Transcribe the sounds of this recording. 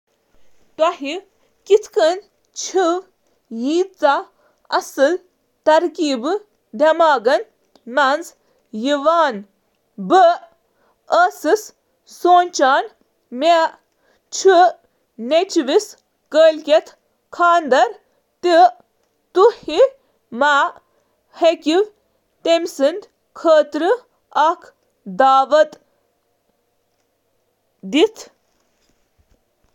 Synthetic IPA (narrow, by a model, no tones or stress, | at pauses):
t̪ɐɦi | kit̪ʰkən | t͡ʃʰiʋ | jiːt͡sa | ɐ̰sɨl | t̪ɐɾkiːbɨ | d̪ɐmaːɡɐn | mɐnz | jiʋaːn | bɨ | əsis | soːnʲt͡ʃaːn | mʲe | t͡ʃʰi | net͡ʃʋis | kəlʲkʲet̪ | kʰaːnd̪ɐɾ | t̪i | t̪uhi | maː | hekʲiʋ | t̪emsɨnd̪ | kʰəːt̪ɾɨ | ak | d̪aːʋət̪ | d̪it̪ʰ